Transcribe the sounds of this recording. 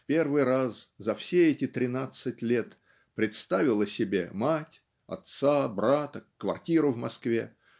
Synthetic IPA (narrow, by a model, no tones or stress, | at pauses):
fpʲe̞rvɨjɾaszɐfsʲeɛtʲɪt̪ɾʲɪnat̪sɨtʲlʲe̞t̪ | pɾʲɪt̪st̪avʲɪlˠəsʲɪbʲe̞̰matʲ | ɐ̰t̪sabɾat̪əkvɐ̰rtʲiɾʊvmɐskvʲḛ